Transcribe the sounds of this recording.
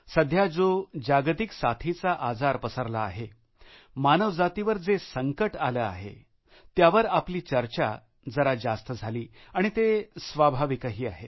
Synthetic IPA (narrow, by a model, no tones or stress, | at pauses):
səd̪ʱjad͡zod͡ʑaɡt̪iksat̪ʰit͡saʔad͡zaɾpəsəɾlaːɦe | manəʋd͡zat̪iʋəɾd͡zesəŋkəʈaləːa̰ɦḛ | t̪jaʋəɾapliːt͡ɕəɾt͡ɕa̰ | d͡zəɾad͡zast̪əd͡zʱaliːaɽ̃it̪esʋabʱaʋikəɦiːa̰ɦe